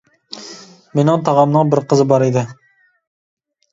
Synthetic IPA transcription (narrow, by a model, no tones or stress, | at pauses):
menɪŋt̪ʰɑʁɑmnɨŋbɪɾqʰəzɨbɑɾid̪ɪ